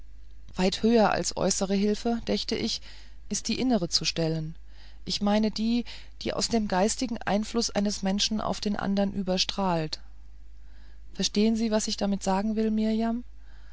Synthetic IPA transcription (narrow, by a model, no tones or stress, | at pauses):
v̥aɪthøːɐʔa̰lsʔɔ̰ʏsəʁ̞əɦɪlfəd̥ɛçtəʔɪç | ʔɪst̚d̥iːʔɪnəʁ̞ət͡suʃtɛlən | ʔɪçmaɪnədiː | d̥iːʔa̰ʊsd̥eːmɡaɪstɪɡŋ̩ʔa̰ɪnflʊsʔa̰ɪnəsmɛnʃn̩ʔa̰ʊfd̥eːnʔa̰ndɐnʔyːbɐʃtʁ̥aːlt | fɛɐʃteːənziːvasɪçd̥amɪtz̥aːɡŋ̩vɪlmɪɐjam